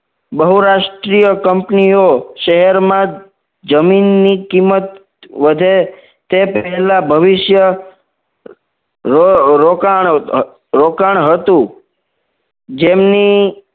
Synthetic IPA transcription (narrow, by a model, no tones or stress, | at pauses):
bəɦuɾaʃʈɾijəkəmpnioʃəɦɛɾmã | d͡ʒəminːikimːət̪ | ʋəd̪ʱe | t̪epɛɦɛlabʱəʋɪʃjə | oɾokaɳ | ɾokaɳ̃ɦət̪ũ | d͡ʒemni